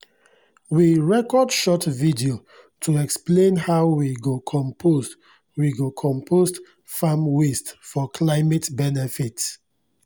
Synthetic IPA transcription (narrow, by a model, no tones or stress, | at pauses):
wiɹɛkɔdʃɔtvidio | tʰuɛksplẽnhaʊwiɡokʰɔ̃mpʰoz | wiɡokʰɔ̃mpʰosd | famwistfɔkʰlaɪmɛtbɛnɛfits